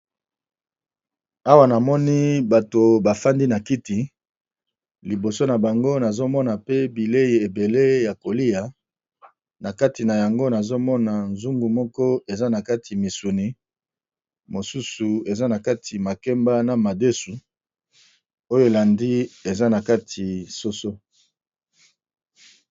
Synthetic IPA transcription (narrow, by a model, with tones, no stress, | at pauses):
a˦wa˦na˨mɔ˦ni˦ba˨to˨ba˨fa˦ndi˦na˨ki˦ti˨ | li˨bo˨so˦na˨ba˨ŋɡo˦na˨zo˦mɔ˦na˨pe˦bi˨le˦ji˨e˨be˨le˦ja˨ko˨li˦ja˨ | na˨ka˦ti˨na˨ja˨ŋɡo˦na˨zo˦mɔ˦na˨nzu˦ŋɡu˨mɔ˦kɔ˦e˨za˦na˨ka˦tʰi˨mi˨su˨ni˨ | mo˨su˦su˨e˨za˦na˨ka˦tʰi˨ma˨kɛ˦mba˦na˨ma˨de˦su˨ | o˦jo˦e˨la˨ndi˦e˨za˦na˨ka˦tʰi˨so˦so˦